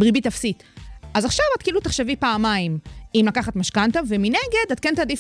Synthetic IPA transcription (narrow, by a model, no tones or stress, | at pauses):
bʁibit̪afsitʔazaχʃavat̚kiːlut̪aχʃevipaːmaimimlakaχat̪maʃkant̪avemineɡe̞dat̪kentadif